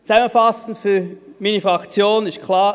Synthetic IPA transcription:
t͡sɛmənfasn̩fyɐmiːnifʁakt͡sjoːnɪstkʰlaː

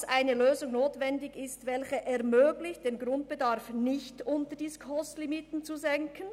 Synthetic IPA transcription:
sʔaɪnəløːzʊŋnoːtvɛndɪçɪstvɛlçəʔɛɐmøːɡlɪçt̚d̥eːnɡʁʊnt̚b̥ədaʁfnɪçtʔʊntəd̥iːskʰɔstlimitn̩t͡suzɛŋkʰən̩

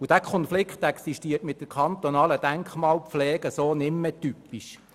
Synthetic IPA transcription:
ud̥ækʰɔnflɪkt̪ɛksiʃtiətmɪt̪̚d̥əɾkʰχɑnt̪onɑːləd̥æŋkχmɑːlpflɛːɡ̥əsoːnɪmːɛtypiʃ

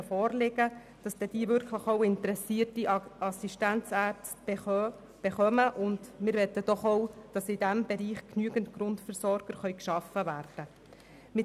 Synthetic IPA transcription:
əfɔːɾlɪɡə | d̥ɑsd̥ɛd̥iːvʏɾkχləχoʊɪntəɾɛsiːɾtiɑsiʃtænt͡sæːts | b̥ɛχœməʔʊndmɪɾʋɛtəd̥ɔχowd̥ɑsɪdæmbɛɾiːχknyəɡəntkɾʊntfəɾsɔɾɡ̥əɾχœʏkʃɑfəvæːrd̥ə | mɪ

